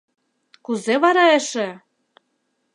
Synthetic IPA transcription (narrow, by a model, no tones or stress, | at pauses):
kuzeβɑɾɑeʃĕ